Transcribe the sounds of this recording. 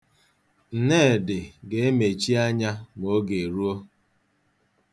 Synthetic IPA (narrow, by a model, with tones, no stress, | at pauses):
n̩˨ne˦˨dɪ˨ɡe˨˦e˦me˨t͡ʃi˦a˦ɲa˦ŋo˦ɡe˨ɾu˦o˦